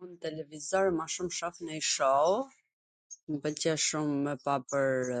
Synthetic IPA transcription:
unt̪ɛlɛvizɔɾmaʃumʃafnəjʃɔw | mpəcɛʃumːɛpapəɾ

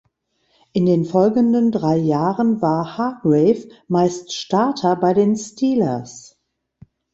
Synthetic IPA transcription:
ʔɪndeːnfɔlɡən̩dəndʁaɪjaːʁənvaːɐhaɐɡʁɛɪfmaɪstʃtaɐtʰɐbaɪdeːnstʰiːlɐ̰s

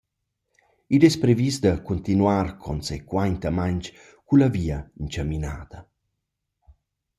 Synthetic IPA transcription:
idɛspɾevisd̪akunt̪inwarkʰɔnsekwajnt̪amant͡ʃ | kulaviːaint͡ʃamina̰ːd̪̥ɐ

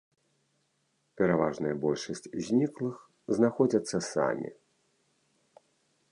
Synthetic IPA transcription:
pʲɛɾavaʐnɨjɐbɔlʲʂɐsʲt͡sʲzʲnʲiklˠɨx | znaxɔd͡zʲɐt̪sːɐsa̰mʲḭ

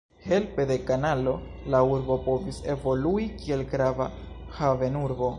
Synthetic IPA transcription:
he̞lpe̞de̞kanalo̞ | lauɾbo̞po̞vise̞vo̞luikie̞lɡɾava | have̞nuɾbo

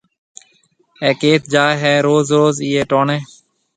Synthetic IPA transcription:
ɛːkeːt̪̚d͡ʒaːɦɛːɾoːzɾoːziːeːʈoːɳẽː

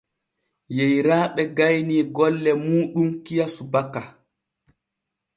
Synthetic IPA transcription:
jejɾaːɓɛɡajniːɡɔlːɛmuːɗumkijasubaka

